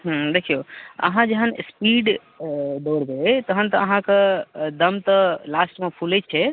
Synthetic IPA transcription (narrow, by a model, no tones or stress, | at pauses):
ɦ̩d̪ekʰijoə̰ɦãd͡ʒəɦənspiɖ | ɖoɽbet̪əɦənt̪əəɦãkəd̪əmt̪əlasʈmẽpʰulɛt͡ʃʰɛ